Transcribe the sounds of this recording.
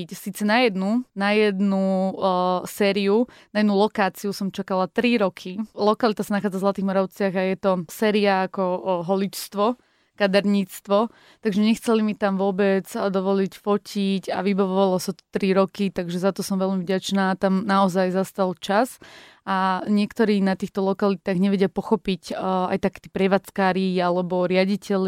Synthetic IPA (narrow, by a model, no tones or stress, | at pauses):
csiːt͡sɛnajɛd̪nunajɛd̪nu | sɛːɾiunajɛd̪nulɔkaːt͡siusɔmt͡ʃakalat̪ɾiɾɔkʰilɔkalit̪asanaxaːd͡zavzlat̪iːɣmɔɾaʊt͡sɪaɣajɛt̪ɔsɛːɾiaːkɔɦɔlit͡ʃst̪ʋɔ | kad̪aɾɲiːt͡st̪ʋɔ | t̪aɡʒɛɲɛxt͡sɛlimit̪amʋʊɔbɛd͡zd̪ɔʋɔlicfɔcʰica̰ʋibaʋɔʋalɔsat̪ɔ̥t̪ɾiɾɔkit̪aɡʒɛzat̪ɔsɔmʋɛlmivɟat͡ʃnaːt̪amnaɔzajzast̪alt͡ʃas | aɲɪɛkt̪ɔɾiːnat̪iːxt̪ɔlɔkalit̪aːɣɲɛʋɛɟɪapɔxɔpica̰jt̪akɛ̥ːt̪iːpɾɛʋaːt͡skaːɾialɛbɔɾɪaɟicɛl